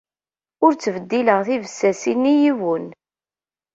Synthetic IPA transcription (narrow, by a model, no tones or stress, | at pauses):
ʊɾt͡sːvəd̪ːiləʁθivəsːæsinːijiwən